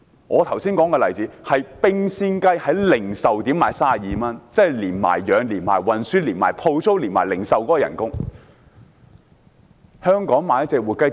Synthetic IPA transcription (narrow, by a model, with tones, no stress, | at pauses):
ŋʔɔː˨˧t̪ʰɐ˨˩wsiː˥nkɔː˨˥ŋkɛː˧lɐ˨jt͡siː˨˥hɐ˨jpɪ˥ŋsiː˥nkɐ˥jhɐ˨˥jlɪ˨˩ŋsɐ˨wt̪iː˨˥maː˨˩jsaː˥ɐ˨˩jiː˨mɐ˥nt͡sɛː˥˨liː˨˩nma̰ː˨˩jjœː˨˧ŋliː˨˩nmaː˨˩jwɐ˨˩nsyː˥liː˨˩nmaː˨˩jpʰo˧wso˥wliː˨˩nma̰ː˨˩jlɪ˨˩ŋsɐ˨wkɔː˨˥kɔː˧jɐ̰˨˩nkʊ˥ŋ | hœː˥ŋkɔː˨˥ŋmaː˨˧jɐ˥t̚t͡sɛː˧k̚wuː˨˩kɐ˥j